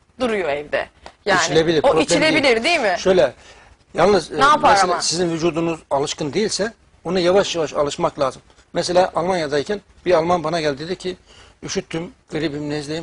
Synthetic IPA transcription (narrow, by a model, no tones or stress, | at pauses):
d̪uɾujoɛvd̪ɛ̰ | jaiːt͡ʃnilʲebilʲiɾoɾoitt͡ʃilʲebilʲiɾd̪ijmɪʃøjlʲɛ | jalˠnɯznapaɛslʲasizinvyd͡ʒuːd̪unuzalˠɯʃkɯnd̪ejilʲsɛ | onɯjavaʃjavaʃa̰lˠɯʃmaklʲˠaːzɯm | mɛselʲaːʔalˠmanjad̪aicʰæn | b̥iɾalˠmanbanaɟælʲd̪id̪ɛcʰi | yʃyt̪ʰːymɡ̥ɯɾibimnɛzlʲejim